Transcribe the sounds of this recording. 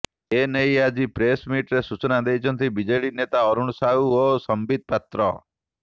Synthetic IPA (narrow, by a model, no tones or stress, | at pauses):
enəjad͡ʒipɾesmiʈɾesut͡ʃnad̪ejt͡ʃʰɔnt̪ʰibid͡ʒəjɭinet̪aɔɾuɳsauosəmbid̪̚pat̪ɾɔ̰